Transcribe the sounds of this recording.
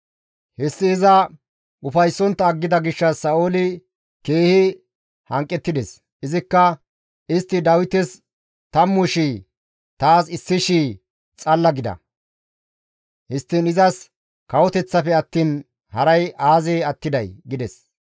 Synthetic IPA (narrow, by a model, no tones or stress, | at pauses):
hɛsːɪːzɐ | ʊfɐjsːɔnt̪ːɐːɡːɪd̪ɐɡɪʃːɐsɐoːlɪ | ke̞ːhɪ | hɐŋkʼːɛt̪ːɪd̪ɛs | ʔɪzɪkːɐ | ɪst̪ːɪd̪ɐwɪt̪ɛs | t̪ɐmːʊʃi | t̪aːsɪsːɪʃiː | t͡sʼɐlːɐɡɪd̪ɐ̰ | hɪst̪ːɪnɪzɐs | kɐwɔt̪ɛt͡sːɐfɛɐt̪ːiːn | hɐɾɐjʔaːzɛɐt̪ːɪd̪ɐjɡɪd̪ɛs